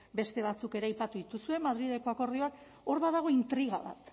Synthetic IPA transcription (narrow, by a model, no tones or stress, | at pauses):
be̞st̪e̞βat͡suke̞ɾajpat̪uðit̪usue̞mað̞ɾiðeko̞ako̞ɾð̞io̞ak | o̞ɾβaðaɣ̞o̞int̪ɾiɣ̞aβat̪